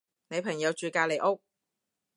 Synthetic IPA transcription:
ne˨˧jpʰɐ˨˩ŋjɐ˨˧wt͡ʃyː˨˧kaː˧le˨˩jʔʊ˥k̚

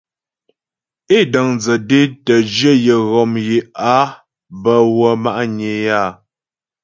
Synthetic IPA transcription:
e˦də˨ŋnd͡zə˨de˦tə˨d͡ʒjə˦jə˨ɣɔ˨mje˨a˦ | bə˨wə˨ma˦ʔɲe˨ja˦˨

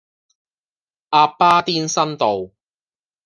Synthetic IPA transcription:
ʔaː˧pːaː˥t̪iː˥nsɐ˥nt̪o˨w

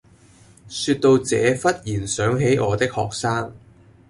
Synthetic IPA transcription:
syː˧t̚t̪o˧wt͡sɛː˨˧fɐ˥t̚jiː˨˩nsœː˨˥ŋɦe˨˥jɔː˨˧t̪ɪ˥k̚hɔː˨k̚saː˥ŋ

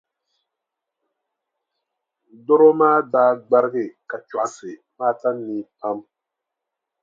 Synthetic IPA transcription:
dɔ˦ɾo˦maː˦daː˦ɡ͡ba˦ɾɪ˦ɡɪ˨ka˨t͡ʃɔ˨a˨sɪ˨ | maː˦ta˦nːiː˨˦pa˦m

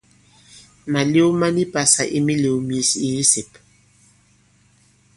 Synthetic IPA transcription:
ma˨le˦wu˦ma˦ni˦pa˨sa̰˨ʔi˦mi˦le˨wu˨m˨i˨si˦se˨p

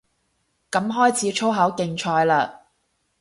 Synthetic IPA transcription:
kɐ˨˥mɦɔː˥jt͡sʰiː˨˥t͡ʃʰo˥wɦɐ˨˥wkɪ˧ŋt͡ʃʰɔː˧jlaː˧

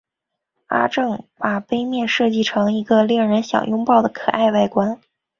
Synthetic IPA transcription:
a̰˥ʈ͡ʂɤ˥˩ŋpa˨˩pe˥ɪmjɛ˥˧nʂɤ˥˧t͡ɕi˥˩ʈ͡ʂʰɤ˧˥ŋi˧˥ɡə˧lji˥˩ŋɻə˧˥nɕjɑ̰˨˩ŋjʊ˥ŋpɑ˥˩ʊd̪ə˩kʰɤ˨˩ʔa˥˧ɪʋa˥˩ɪkwa˥n

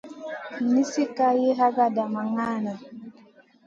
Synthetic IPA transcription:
ni˦si˦ka˦je˦ɦa˦ɡa˦da˨ma˨ŋa˦na˨

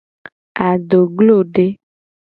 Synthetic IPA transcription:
a˨ɖo˨ɡlo˦˨ɖe˦

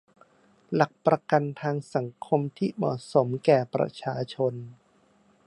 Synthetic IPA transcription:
la˨˩k̚pɾa˧ka˧nt̪ʰaː˧ŋsa˩˦ŋkʰo˧mt̪ʰiː˥˩mɔ̰ː˨˩so˩˦mkɛː˨˩pɾa̰˧˥t͡ɕʰaː˧t͡ɕʰo˧n

